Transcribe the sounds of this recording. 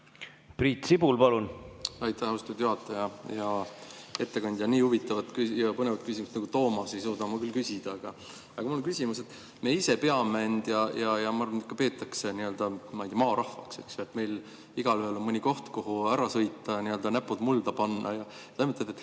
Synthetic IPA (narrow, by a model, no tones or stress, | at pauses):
priːt̪sibulpɑlunɑjt̪ːˑæhɑwst̪ud̪̥juɦɑt̪ːˑɑjɑjɑ | e̞t̪ːe̞kɑnʲd̪̥ʲjɑniːhuvit̪ːˑɑvɑt̪kyjɑpɤne̞vɑt̪̚kys̬ʲimust̪nɑɡut̪o̞ːmɑsejsuːd̪ɑmɑkylkysid̪̥ɑeɡ̥ɑ | jɑkumuloŋkysʲimuse̞t̪ːˑ | meːise̞pe̞ɑmːænʲd̪̥jɑjɑjɑmɑɑrɑnkːˑɑpe̞ːt̪ːˑɑkseniø̞ld̪̥ɑmɑjd̪̥ʲijɑmɑːɾɑhvɑkse̞̰ksjoet̪ːˑme̞jl | iɡ̥ɑlyhelo̞nmɯnʲiko̞ht̪koɦuæɾɑsɤ̞jt̪ːˑɑniø̞ld̪ɑnæpːˑud̪muld̪ɑpɑnːɑ̰jɑjɑt̪emet̪ed̪et̪ː